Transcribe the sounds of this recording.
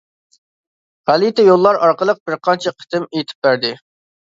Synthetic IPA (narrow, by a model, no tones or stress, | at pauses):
ʁælit̪ɛjolˠːɑɾɑɾqəlˠəq̚bɪɾqʰɑnt͡ʃʰɛqʰə̥t̪ɪmejt̪ʰɪ̥p̚bæɾd̪ɪ